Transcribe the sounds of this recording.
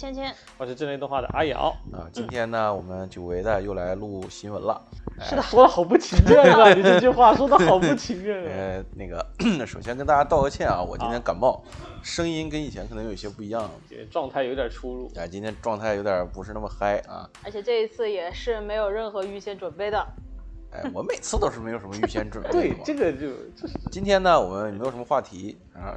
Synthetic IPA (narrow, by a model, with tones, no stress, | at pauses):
t͡ɕʰjɛ˥nt͡ɕʰjɛ˥n˧˥ʂ̩˧˥ʈ͡ʂt̪wnxwa˥˩d̪ə̰˩ʔa˥jɑ̰˧˥ʊɐ̰˧˩t͡ɕnt̪ʰjɛ˥nnə˨wɔ˨˩mə˦nt͡ɕjo˨˩ʊwe˧˥ɪd̪ə˧jo˥˩ʊla˧˥ɪlu˥˩ɕi˧˥nwə˧˥nlɐ̰˧ʂɻ̰̩˧˥˩d̪ə˨˩swɔ˥lə˧xɑ˨˩ʊpu˥˩t͡ɕʰi˧˥ŋjɛ˥˩ə˧ni˨˩˥t͡ɕy˥˧˥xwa˥˩swɔ˥d̪ə˨xɑ˨˩ʊpu˥˩t͡ɕʰi˧˥mjɛ˥˩˥na˥˩ɡə˩ʂo˨˩ʊɕjɛ˥nkə˥nt̪a˥˧˩t͡ɕja˥t̪ɑ˥˧ʊə˧˥t͡ɕʰjɛ˥˩nɐ̰˩wɔ̰˨˩t͡ɕḭ̃˥t̪jɛ˥nka˨˩nmɑ˥˩ʊʂɤ˥ŋi˥nkə˥ni˨˩t͡ɕʰjɛ˧˥nk̪ʰɤ˧˥jo˨˩jɛ˥pu˥˩i˧˥jɑ˥˩ŋ˩ʈ͡ʂwɑ˥˧ŋt̪ʰa˥˩ɪjo˧˥ʊt̪jɑ˨˩ʈ͡ʂʰu˥ɻu˥˩a̰˧˩t͡ɕi˥nt̪ʰjɛ˥nʈ͡ʂwɑ˥˧ŋt̪ʰɪjo˧˥ʊt̪jɑ˨˩pu˧˥ʂɻ̩˥˧na˥˩mə˩xa˥ɪɐ̰˧˩ə˞˧˥t͡ɕʰjɛ˨˩ʈ͡ʂɤ˥˩i˧˥t͡sʰɹ̩˥˩jɛ˨˩ʂɻ̩˥˩me˧˥ɪjo˨˩ʊɻə˥˩nxɤ˧˥y˥˧ɕjɛ˥˩nʈ͡ʂwə˨˩npe˥˩ɪd̪ə˩a̰˥˧ɪwɔ˨˩˦me˨˩ɪt͡sʰɹ̩˥˩t̪o˥ʊʂɻ̩˥˩m˧˥ɪo˨˩ʂm˧ə˧y˥˧ɕjɛ˥˧nʈ͡ʂwə˨˩npt̪wɪ˥˩˥ɤ˥˩ɡə˩t͡ɕo˥˧t͡ɕo˥˧t͡ɕi˥nt̪ʰjɛ˥nə˨wɔ̰˨˩mə˦njme˧˥jʂm˥˧xwa˥˩t̪ʰi˧˥˧ | x